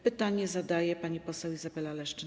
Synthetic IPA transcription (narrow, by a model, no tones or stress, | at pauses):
pɘt̪aɲɛzad̪ajɛpaɲipɔsɛwizabɛlalɛʂt͡ʂɘ